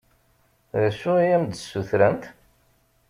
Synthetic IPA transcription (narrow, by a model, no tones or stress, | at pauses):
ðæsʊijæmd̪suθɾænt̪